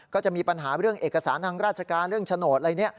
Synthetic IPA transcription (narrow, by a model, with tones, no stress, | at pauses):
kɔː˥˩t͡ɕa˨˩ʔmiː˧pa˧nɦaː˩˦ɾɯ˥˩əŋʔeː˨˩kːa˧saː˩˦nt̪ʰaː˧ŋɾaː˥˩t͡ɕʰa˧kaː˧nɾɯ˥˩əŋt͡ɕʰa˧noː˨˩t̪̚ʔɾa˧jni˦˥ɐ